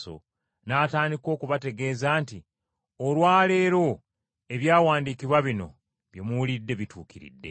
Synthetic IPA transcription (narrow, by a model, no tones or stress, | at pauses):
o̰ | naːtaːndiko̞ːkuβate̞ɡe̞ːzaːnti | olwaːle̞ːɾo̞ | e̞βjaːwaːndiːkiβwaβino̞̰ | βjemuulidːe̞βitʰuːkiɾḭdːe̞̰